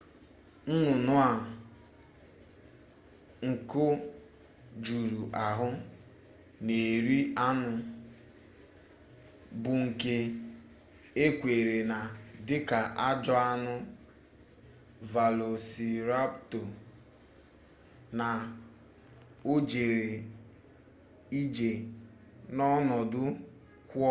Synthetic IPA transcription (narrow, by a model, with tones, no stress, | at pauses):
n̩˦nʊ˨nʊ˦a˨ | ŋ̩˨kʊ˦ | d͡ʒu˨ɾu˨ʔa˨ɦʊ˦ | ne˨ɾi˦a˦nʊ˨ | bʊ˨ŋ̩˨ke˦ | e˦kʷe˨ɾe˨na˨dɪ˦ka˨ʔa˦d͡ʒɔ˦a˦nʊ˦ | va˨lo˨si˨ɾa˦pto˨ | na˨ | o˦d͡ʒe˨ɾe˨ | i˦d͡ʒe˨ | nɔ˦nɔ˨dʊ˦ | kʷɔ˦